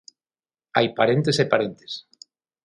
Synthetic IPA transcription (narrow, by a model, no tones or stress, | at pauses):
ajpaɾent̪esepaɾent̪e̥s